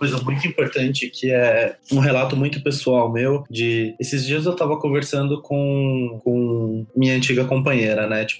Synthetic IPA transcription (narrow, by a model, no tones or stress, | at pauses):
kojzɐmũj̃t̪ʊĩpoɾt̪ɐ̃t͡ʃɪkʰɪɛũɦelat̪ʊmũj̃t̪ʊpesuawmewd͡ʒɪesɪzd͡ʒiɐzewt̪avɐkõveɾsɐ̃nd̪ʊkʰõkõmĩɲɐ̃nt͡ʃiɡɐkõpɐ̃ɲeɾɐnɛt͡ʃi̥pʊ